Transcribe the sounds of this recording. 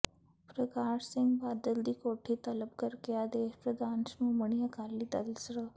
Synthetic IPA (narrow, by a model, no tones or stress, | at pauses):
pɾəkaːʃsɪ̃ŋɡbaːd̪əld̪ikoːʈʰit̪ɐləb̚kɐɾkeaːd̪eːʃpɾəd̪aːnsmoːməɽ̃ijakaːlid̪ɐlsɾə